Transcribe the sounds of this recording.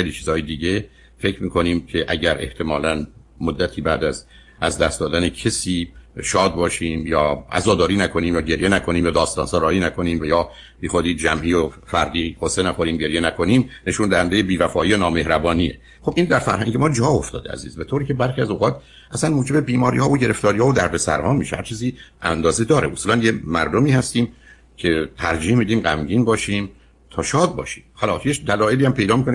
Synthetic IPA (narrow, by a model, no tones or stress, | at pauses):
xejliːt͡ʃʰiːzɒːjed̪iːɟe | fe̞cɾmiːkʰo̞niːmcʰeʔæɟæɾʔe̞ht̪ʰe̞mɒːlæn | mod̪ːæt̪ʰiːbæːd̪æz | æzd̪æst̪d̪ɒːd̪ænecʰesiːʃɒːd̪̚bɒːʃiːmjɒːæ̰zɒːd̪ɒːɾiːnækʰo̞niːmjɒːɟe̞ɾjenækʰo̞niːmjɒːd̪ɒːst̪ɒːnsɑːɾɒːɾiːnækʰo̞niːmvæjɒː | b̥iːxod̪iːd͡ʒæmʔiːjofæɾd̪iːqosenæxo̞ɾiːmɟe̞ɾjenækʰo̞niːmne̞ʃund̪æhænd̪e̞jebiːvæfɒːiːjonɒːme̞hɾæbɒːnijḛ | χobʔiːnd̪æɾfæ̰ɾhæŋɟemɒːd͡ʒɒːo̞ft̪ɒ̰ːd̪eæ̰zḭːzbe̞t̪ʰoɾiːcʰe̞bæɾχiæzoɣɒːt̪ | ʔæsænmuːd͡ʒe̞bebiːmɒːɾiːhɒːvoɟe̞ɾe̞ft̪ɒːɾihɒːvod̪æɾbe̞sæ̰ɾhɒːmiːʃehæ̰ɾt͡ʃʰiːziːʔæ̰nd̪ɒːzed̪ɒːɾeʔusuːlænjemæɾd̪omiːhæst̪iːm | cʰet̪ʰæɾd͡ʒiːhmid̪iːmɢæmɟiːnbɒːʃiːm | t̪ʰɒːʃɒːd̪̚bɒ̰ːʃiːmhɒlɒːjed̪ælɒːjeliːæmpʰe̞jd̪ɒːmiːkʰone